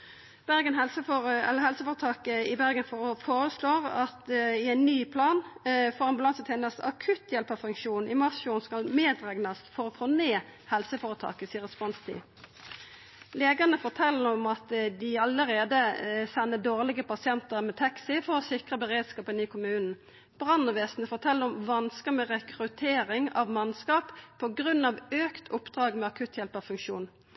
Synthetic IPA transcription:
b̥æʁɡənɦɛlsəfɛ̰lːəhɛlsəfoːɾət̪ʰɑːkəɪbæʁɡənffoːɾəsloːʁɑt̪ɪæɪnnyːpʰlɑːnfoːʁɑmbʉlɑŋsət̪ʰɛːnəsɑ̰kʰʉt̪jɛlpɑʋfʉŋkʃuːnʔɪmɑsuːnskɑlmeːd̪ʁɛɡnɑst̪fɔɾɔfoneːhɛlsəfoːɾət̪ʰɑ̰ːkəsiːəʁɛspɔnst̪ʰḭː | leːɡəʁnəfɔʁt̪ʰɛlːəɾɔmɑt̪d̪ɪɑləʁeːd̪əsɛnːəd̪oːʁlɪɡəpɑsɪɛnt̪əʁmɛt̪ʰɑksɪfɔʁɔsɪkʁəbəʁeːd̪skɑːpənɪkʰʊmʉːnn̩ | b̥ʁɑnːɔʋeːsn̩əfɔʁt̪ʰɛlːəɾɔmʋɑnskəmɛʁɛkʁʉt̪ʰeːɾɪŋɑ̰ʋmɑnskɑːppʰːɔɡʁʉnːɑʋøːkt̪ʰʊpd̪ʁɑːɡmɛɑkʰʉt̪ʰjɛlpɑʋfʉŋkʃṵːn

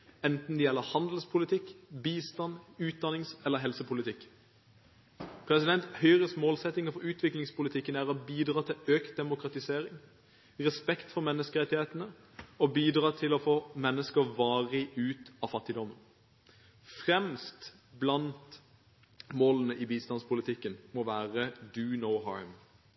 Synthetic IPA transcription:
ɛnt̪n̩d̪ɛjɛlːəhɑnd̪l̩spʰʊlɪt̪ʰɪkːbiːst̪ɑnʉːt̪̚d̪ɑnɪŋsɛləɦɛlsəpʰʊlɪt̪ʰɪkː | pʰɾɛsɪd̪ɛnt̪hœʏʁəsmoːlsɛt̪ːɪŋəfɔɾʉːt̪ʰʋɪklɪŋspʊlɪt̪ʰɪkːənæːʁɔbiːd̪ɾɑːt̪ʰɪløːkt̪̚d̪ɛmʊkɾɑt̪ɪseːɾɪŋ | ʁɛspɛkt̪fɔɾmɛnːəskəʁɛt̪ɪheːt̪ənə | ɔbiːd̪ʁɑːt̪ʰɪlɔfoːmɛnːəskəʋɑːʁɪʉːt̪ɑfɑt̪ːɪd̪ɔmːən | fʁɛmst̪ | blɑnt̪ | moːlənəʔiʋiːst̪ɑnspʰʊlɪt̪ʰɪkːənmɔʋæːʁəd̪ʉːnəʊɦɑ̰ɹm

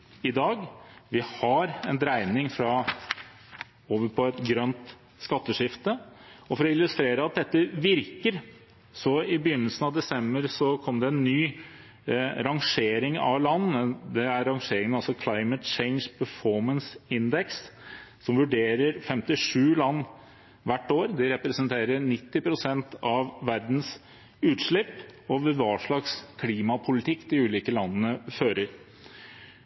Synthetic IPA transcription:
ɪd̪ɑːɡʋɪhɑɾɛnd̪ɾæɪnɪŋfɾɑ | oːʋəɾpʰɔɛt̪ɡɾœnt̪ | skɑt̪ːəʂɪft̪əɔfɔɾɔɪlʉst̪ɾeːɾəɑt̪̚d̪ɛt̪ːəʋɪɾkəɾ | sɔɪbəjʏnːəlsənɑʋd̪ɛsɛmbəɾsɔkʰɔmd̪ɛɛnːyː | ɾɑŋʂeːɾɪŋɑ̰lɑnːd̪ɛæɾɾɑŋʂeːɾɪŋənɑlsɔkʰlɑɪmət̪t͡ʃɛɪnʂpʰəfɔɾmənsɪnd̪ɛkssɔmʋʉɖeːɾəɾfɛmt̪ɪʂʉːlɑnː | ʋæʈːoːɾd̪ɪɾɛpɾɛsənt̪ʰeːɾəɳɪt̪ːɪpʰɾʊsɛnt̪ɑʋːæɾd̪n̩s | ʉːt̪ʂɭɪpːɔʋɛʋɑːʂɭɑkskʰliːmɑpʰʊlɪt̪ʰɪkːd̪ɪʉːliːkəlɑnːəːəføːɾəɾ

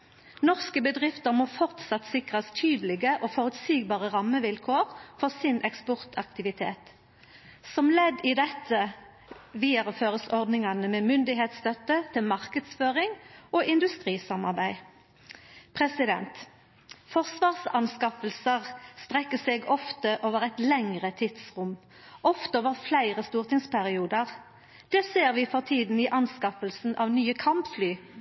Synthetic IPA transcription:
nɔʁskəbəd̪ʁɪft̪əʁmoːfɔʁt̪sɑt̪ːsɪkʁəst̪ʰyːd̪lɪɡəʔoːfɔʁʉt̪siːɡ̚bɑːʁəʁɑmːəʋɪlkʰoːʁfɔʁsɪnʔɛkspɔʁt̪ʰɑkt̪ɪʋɪt̪ʰḛːt̪ | sɔmlɛd̪ɪːd̪ɛt̪ʰə | ʋiːəʁəføːʁəsɔʁd̪nɪŋɑnəmeːmʏnd̪ɪheːt̪st̪œt̪ət̪ʰɪlmɑʁkəd̪sføːʁɪŋoːʔɪnd̪ʉst̪ʁiːsɑmɑʁbæɪ | pʰʁɛsɪd̪ɛ̰nt̪ | fɔʁsʋɑːʁsɑnskɑfəlsəʁst̪ʁɛkːəseɡɔft̪əʔoːʋəʁɛɪt̪lɛŋʁət̪ʰɪd̪sʁʊm | ʔɔft̪əoːʋəʁflæɪʁəst̪uːʁt̪ɪŋspʰæʁɪuːd̪əʁ | d̪̥ɛseːʁʋiːfɔʁt̪ʰiːd̪n̩iʔɑnskɑfəlsn̩ʔɑːʋnyːəkʰɑmpflyː

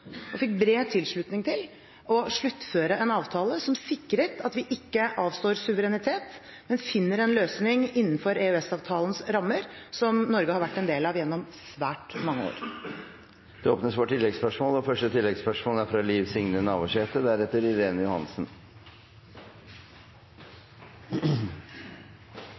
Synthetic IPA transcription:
ɔfɪk̚ːbɾeːt̪ʰɪlʂɭʉt̪nɪŋt̪ʰɪl | ɔʂɭʉt̪ːføːɾəɛnɑːʋt̪ʰɑːləsɔmsɪkːɾət̪ɑt̪ʋɪʔɪkːəʔɑːʋst̪oːɾsʉʋəɾɛnɪt̪ʰeːt̪ | mɛnfɪnːəɾɛnløːsnɪŋɪnːn̩fɔɾeʉɛsɑːʋt̪ʰɑːlənsɾɑmːəɾ | sɔmnɔɾɡəhɑɾʋæʈːɛnd̪eːlɑʋjɛnːɔmsʋæːʈmɑŋːəo̰ːɾ | d̪̥ɛoːpnəsʋoːʈʰɪlːɛɡspœʂmoːlɔfœʂʈət̪ʰɪlːɛɡspœʂmoːlæfɾɑliːʋsɪŋnənɑːʋʊʂeːt̪əd̪æɾɛt̪ːəɾɪɾeːnəjʊhɑ̰nsn̩

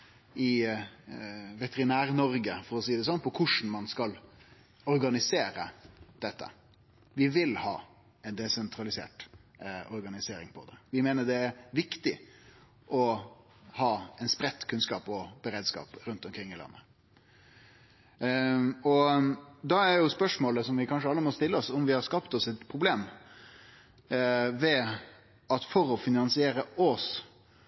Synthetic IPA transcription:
ɪ | ʋɛt̪ʰɛɾɪnæːɾnɔɾɡəfɔɾɔsiːd̪ɛs̬ɔnːpʰɔkʰʊʂɳn̩mɑnskɑl | ɔɾɡɑnɪseːɾə̰d̪̥ɛt̪ːə̰ | ʋɪʋɪlhɑ̰ː | ɛnd̪ɛsɛnt̪ʰɾɑlɪsḛːʈ | ɔɾɡɑnɪseːɾɪŋpʰɔd̪ɛʋɪmeːnəɖ̪ɛæɾʋɪkt̪ɪ | ʔɔ | hɑːɛnspɾɛt̪ːkʰʉnskɑ̰ːpɔbəɾeːd̪skɑ̰ːpɾʉnt̪ɔmkʰɾɪŋːɪlɑ̰nːə | ɔd̪ɑæɾjʊspœʂmoːləsɔmʋɪkʰɑnʂəɑlːəmɔst̪ɪlːəɔsɔmʋɪhɑɾskɑpt̪ɔsɛt̪pʰɾʊbleːm | ʋɛ | ɑt̪fɔɾɔfɪnɑnsɪeːɾəɔs

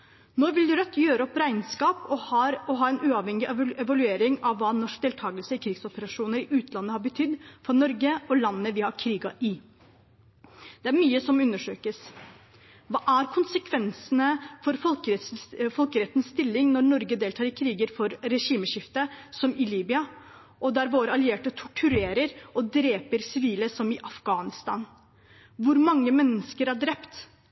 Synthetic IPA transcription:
noːʋɪld̪ʉɾœt̪ʰːjøːɾəɔpɾæɪnskɑːpɔhɑːɾɔɦɑːɛnʉːɑʋhɛŋːɪɛʋɑlʉeːɾɪŋɑʋːɑːnɔʂk̚d̪eːlt̪ʰɑːɡəlsəɪkʰɾɪɡsɔpəɾɑʂuːnəɾɪʔʉːt̪lɑnːəhɑɾbət̪ʰʏd̪ːfɔnɔɾɡəɔlɑnːəʋɪhɑɾkʰɾiːɡɑʔɪ | d̪̥ɛæɾmyːəsɔmʉnːəʂøːkəs | ʋɑːʔæɾkʰʊnsəkʰʋɛnsənəfɔɾfɔl | fɔlkəɾɛt̪ːənsst̪ɪlːɪŋnɔɾnɔɾɡəd̪eːlt̪ʰɑːɾɪkʰɾiːɡəɾfɔɾːɛʂiːməʂɪft̪əsɔmɪliːbɪɑ | ʔɔd̪æɾʋoːɾəɑlɪeːʈət̪ʰʊʈʰʉɾeːɾəɾɔd̪ɾeːpəɾsɪʋiːləsɔmɪʔɑfɡ̥ɑːnɪst̪ɑːn | ʋʊɾmɑŋːəmɛnːəskəɾæɖɾɛpt̪

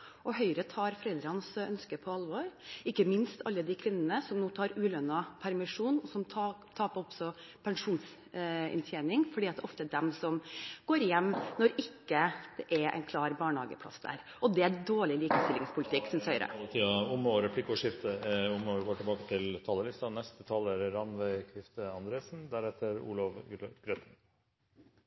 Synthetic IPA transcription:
ʔɔɦœʏɾət̪ʰɑːɾfɔɾɛld̪ɾɑnsœnskəpʰɔɑlʋɔɾɪkːəmɪnst̪ʰɑ̰lːəd̪ɪkʰʋɪnːənəsɔmnuːt̪ʰɑːɾʉːlœnːɑpʰæɾmɪʂuːnɔsɔmʰt̪ʰɑːpɔpsɔpʰɛŋʂuːns | ɛ̰nt̪ʰjeːnɪŋfɔɖiːɑt̪d̪ɛʔɔft̪əd̪ɛmsɔmɡ̥oːɾɪjɛmːnɔɾɪkːəd̪̥ɛʔɛʔæ̰ɪnkʰlɑːɾbɑːɳhɑːɡə̰pʰlɑ̰sd̪æ̰ːɾ | ɔd̪ɛæd̪oːɭɪliːkəst̪ɪlɪŋspʰʊlɪt̪ʰɪkːsɪnsœʏɾʔə̰lət̪ʰiːɑʊmoːɾɛpʰlɪkːəɔʂɪft̪əʊmːoːɾɡoːʈɪlbɑːkət̪ʰɪlt̪ʰɑːləlɪst̪ɑnɛst̪ət̪ʰɑləɾɾɑnʋæɪkʰɾɪft̪əɑnd̪ɾeːsn̩d̪æɾɛt̪ːəɾṵːlɑʋɡ̥ɾœt̪ʰən

